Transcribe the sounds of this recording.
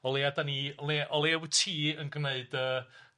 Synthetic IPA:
ɔlˠeadaniɔleʔɔlˠewtʰiːənɡrneɨdəː

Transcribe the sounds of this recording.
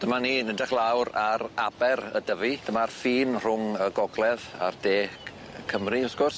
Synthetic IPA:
d̥əmaniːnədɛχlˠawɾaɾabɛɾə̰dəvid̥əmarfiːnr̥ʊŋəɡɔɡlˠɛða̰rdeː | kʰəmriʊsɡ̥ʊrs

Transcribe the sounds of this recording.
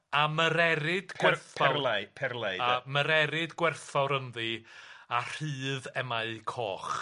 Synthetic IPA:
aməɾɛɾɪdɡwɛrθaapʰɛrlˠajaməɾɛɾɪdɡwɛrθɔɾənðɨar̥ɨːðɛmaɨkʰɔːχ

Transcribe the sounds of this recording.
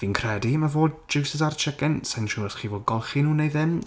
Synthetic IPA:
viːnkʰr̥ɛdimavoːd̚d͡ʒɪwsɪsart͡ʃʰɪɡɛnsɛnʃuːəsχiːvoːd̚ɡɔlˠχinuːnejðɪm

